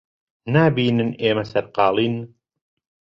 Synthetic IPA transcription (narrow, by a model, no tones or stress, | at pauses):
naːbiːnɨneːmɐsɐɾqɑːlˠiːn